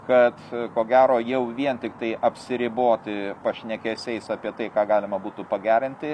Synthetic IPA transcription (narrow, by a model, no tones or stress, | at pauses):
kɐt̪koːɡʲæːɾoːjɛʊʋʲiɛnt̪ʲɪkt̪ɐɪʔɐpʲsʲɪɾʲɪboːt̪ʲɪpɐʃʲnʲɛkʲɛsʲɛɪsɑːpʲiɛt̪ɐɪkɑːɡɑːlʲɪmɐbuːt̪ʊpɐɡʲæːɾʲɪnʲt̪ʲɪ